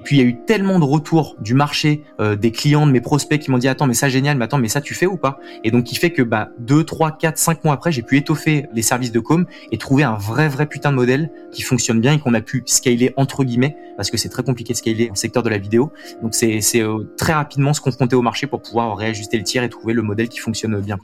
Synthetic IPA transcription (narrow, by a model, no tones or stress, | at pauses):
epɥiljayt̪ɛlmɑ̃d̪əʁət̪ʰuːʁd̪ymaʁʃe | ød̪eklijɑ̃d̪əmepχɔspɛkʲimɔ̃d̪iat̪ɑ̃mɛsaʒenjalmɛat̪ɑ̃mɛsat̪yfɛupa | ed̪ɔ̃kʰʲːifɛkəbad̪øt̪χwakat̪χsɛ̃k̚mwaːpχɛʒepyet̪ɔfelesɛʁvis̬d̪əkom | et̪χuveɛ̃vʁɛvʁɛpyt̪ɛ̃d̪əmɔd̪ɛl | kʲifɔ̃ksjɔnbjɛ̃ekɔ̃napʰyskajleʔɑ̃t̪χəɡʲimɛ | paʁsə̥kəsɛt̪χɛkɔ̃plikʲed̪əskajleɑ̃sɛk̚t̪œʁd̪əlavid̪eo | d̪ɔ̃ksɛsɛøt̪χɛʁapid̪mɑ̃sə̥kɔ̃fχɔ̃t̪eomaʁʃepuʁpuvwaʁʁːeaʒyst̪elət̪jɛʁet̪χuveləmɔd̪ɛlkʲi̥fɔ̃ksjɔnbjɛ̃